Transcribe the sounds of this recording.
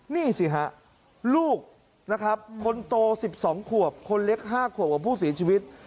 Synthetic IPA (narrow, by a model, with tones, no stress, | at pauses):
niː˥˩si˨˩ɦa˦˥ʔ | luː˥˩k̚ | na˦˥kʰɾa˦˥p̚kʰːo˧nt̪oː˧si˨˩p̚sɔː˩˦ŋkʰu˨˩əp̚kʰo˧nle˦˥k̚ɦaː˥˩kʰu˨˩p̚kaː˨˩pʰuː˥˩s̬i˩˦t͡ɕʰiː˧wi˦˥t̪̚